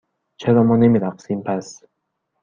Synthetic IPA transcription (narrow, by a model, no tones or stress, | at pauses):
t͡ʃʰeɾɒːmɒːnemiːɾæqsiːmpʰæs